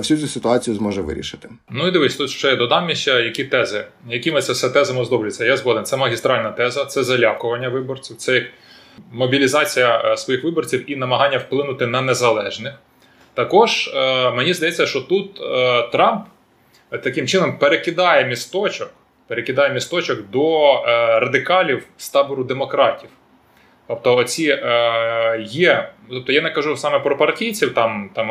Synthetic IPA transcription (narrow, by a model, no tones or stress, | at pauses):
fsʲut͡sʲusɪt̪ʊat͡sʲijʊzmɔʒɛʋɪ̰ɾʲḭʃɪt̪ɪ̥nuid̪ɪʋɪsʲɐt̪ut̪ʃt͡ʃɔjɛd̪ɔd̪ɑwnʲiʃʲɐjɐkʲit̪ɛzɪjɐkʲimɪt̪sʲɛwsɛt̪ɛzɐmʊzd̪ɔblʲʊt͡sʲːɐjazʋɔd̪ɪnt̪sɛmɐɦʲist̪ɾɑlʲnɐt̪ɛzɐt̪sɛzɐlʲakʊʋɐnʲːɐʋɪbɔrt͡sʲiwt̪sɛ | mɔbʲilʲizɑt͡sʲijɐsʋɔjixʋɪbɔrt͡sʲiwinɐmɐɦɑnʲːɐwplˠɪnʊt̪ɪnɐnezɐlˠɛʒnɪx | t̪ɐkɔʒmenʲizd̪ɐjɛt͡sʲːɐʃt͡ʃɔt̪ut̪t̪ɾɑmp | t̪ɐkɪmt͡ʃɪnɔmpeɾekɪd̪ɑjɛmʲist̪ɔt͡ʃɔk | peɾekɪd̪ɑjɛmʲist̪ɔt͡ʃɔkd̪ɔ | ɾɐd̪ɪkɑlʲiwst̪ɑbʊɾʊd̪emɔkɾɑtʲiw | t̪ɔp̚t̪ɔːt͡sʲi | jɛt̪ɔp̚t̪ɔjanɛkɐʒusɑmɛpɾɔpɐrtʲijt͡sʲiwt̪ɑmt̪ɑm